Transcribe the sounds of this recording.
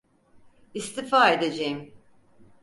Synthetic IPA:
ist̪ʰifaːe̞d̪ed͡ʒejim

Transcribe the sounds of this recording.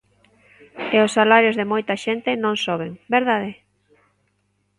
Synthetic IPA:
eʊsːalaɾjozðemojt̪ɐʃent̪ɪnõŋsoβ̞eŋbeɾðaðɪ

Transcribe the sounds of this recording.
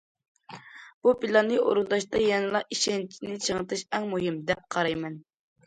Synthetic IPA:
b̥upilˠɑnːɨʔo̰ɾund̪ɑʃt̪ɑjɛnɨlˠɑiʃɛnt͡ʃʰinɪt͡ʃʰəŋɨt̪ʰɨʃɛŋmuɦɪmd̪ɛp̚qʰɑɾɑjmɛn

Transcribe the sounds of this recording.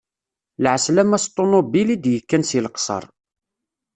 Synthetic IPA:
lʕəslæmæst̪ˤːonobilid̪jəkːænsilqsˤə̰ɾˤ

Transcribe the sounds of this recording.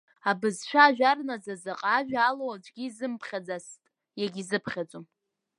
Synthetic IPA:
abɨzʃʷᶣaːʒᶣarnazazaqʼaʒᶣaaload͡ʒʷɡʲiːzɨmpʰχʲad͡zastʼ | jaɡʲizɨpʰχʲad͡zʷʼom

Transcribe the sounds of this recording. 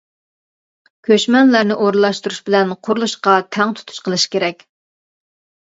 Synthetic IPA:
kʲʰøʃmɛnlæɾnɪʔoɾlˠɑʃt̪uɾuʃbɪlɛnqʰʊɾlˠuʃqɑt̪ʰɛŋt̪ʰu̥t̪ʰu̥ʃqʰəlˠɨʃkʲeɾɛkʲ

